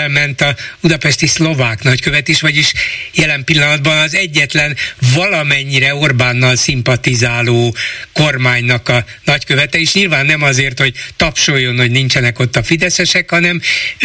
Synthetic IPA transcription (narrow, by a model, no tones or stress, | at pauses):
ɛlmɛnt̪ɒud̪ɒpɛʃt̪islo̞vaːknɒckøvɛt̪eːʃʋɒɟiʃjɛlɛmpilːɒnɒd̪bɒnɒzɛɟːɛt̪lɛnvɒlɒmɛɲːiɾɛo̞rbaːnːɒlsimpɒt̪izaːloːko̞rmaːɲnɒkɒnɒckøvɛt̪ɛeːʃɲilvaːnːɛmɒzeːrt̪ho̞ɟ̚t̪ɒpʃoːjːo̞nho̞ɟnint͡ʃɛnɛko̞t̪ːɒfid̪ɛsɛʃɛkhɒnɛm